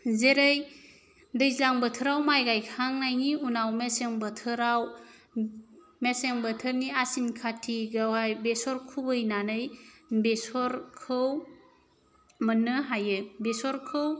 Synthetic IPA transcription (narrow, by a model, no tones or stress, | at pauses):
zeɾej | dɯjzaŋbətʰɯɾawmajɡajkʰaŋnajŋiunawmeseŋbətʰɯɾaw | meseŋbətʰɯɾniasimkʰatʰiɡawajbesɔɾkʰubɯjnanɯjbesɔɾkʰɯw | mənːɯɦajɯbesɔɾkʰɯw